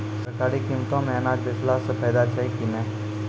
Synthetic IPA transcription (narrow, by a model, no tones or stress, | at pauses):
sɐɾkaːɾikimt̪õːmẽɐnaːd͡ʒɪslaːsəpɛːd̪aːt͡ʃaikimẽː